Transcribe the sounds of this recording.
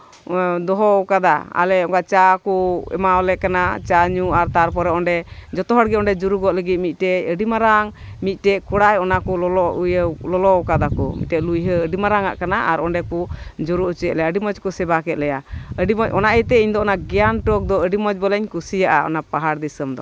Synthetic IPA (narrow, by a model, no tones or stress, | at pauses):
d̪ɔɦɔwkad̪aa̰lɛɔŋkaʔt͡ʃakɔɛ̰maɔlɛʔkanat͡ʃaɲuaɾt̪aɾpɔɾɛɔɳɖɛd͡ʒɔt̪ɔɦɔɽɡɛɔnɖɛd͡ʒuɾuɡɔʔləɡit̪̚mit̪̚ʈɛəɖimaɾaŋ | mit̪̚ˀʈɛkɔɽajɔnakɔlɔlɔjlɔlɔkad̪akɔmḭt̪̚ʈɛʔ̪lujɦəəɖimaɾaŋa̰ʔkanaʔaɾɔɳɖɛpud͡ʒuɾuʔt͡ʃɛlɛaəɖimɔd͡ʒkɔsɛbakɛt̪̚lɛjaəɖimɔd͡ʒɔnaʔət̪ɛiɲd̪ɔɔnaɡɛjanʈɔk̚d̪ɔəɖimɔd͡ʒbɔlɛɲkusijaʔaɔ̰napaɦaɾd̪isəmd̪ɔ